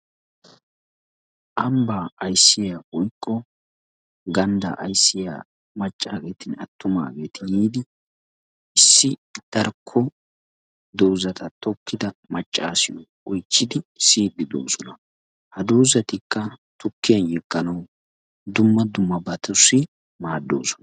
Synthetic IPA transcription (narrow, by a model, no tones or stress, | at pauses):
ʔɐmbaːɐjsːɪjaːwɔjkʼːɔ | ɡɐnd̪ɐ̰ʔɐjsːɪja̰ː | mɐt͡ʃʼːaːɡe̞ːt̪ɪnɐt̪ːʊma̰ːɡe̞ːt̪ɪniːd̪ɪ | ɪsːɪd̪̥ɐɾkʰːɔ | d̪ɔwzɐt̪ʰɐt̪ɔkʰːɪd̪ɐmɐt͡ʃʼːaːsɪjɔʔɔjt͡ʃːɪd̪ɪsiːd̪ːɪd̪o̰ːsɔnɐ | hɐd̪owzɐt̪ɪkːɐt̪ʊkːɪjɐnjɪkʼːɐnɐw | d̪ʊmːɐd̪ʊmːɐbɐt̪ʊsːɪ | maːd̪ːo̞̰ːsɔ̥nɐ̥